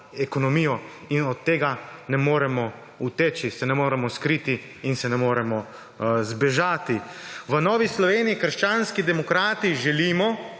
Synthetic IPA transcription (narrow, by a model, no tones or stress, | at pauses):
ɛkɔnɔmiːjɔ | inɔt̪ːeːɡanɛmoːɾɛmɔ | ut̪eːt͡ʃisɛnɛmoːɾɛmɔskɾiːt̪iː | nsɛnɛmoːɾɛmɔ | zbɛʒaːt̪iʋənɔːʋislɔʋeːnijikəɾʃt͡ʃaːnskid̪ɛmɔkɾaːt̪iʒɛliːmɔ